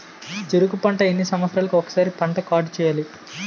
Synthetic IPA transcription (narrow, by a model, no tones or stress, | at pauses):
d͡ʒeɾuɡupɐɳʈɐenːisɐmʋɐt̪sɾaːlɐkuɔkɐ̥saːɾipɐɳʈɐkaːʈt͡ʃɛːjaːli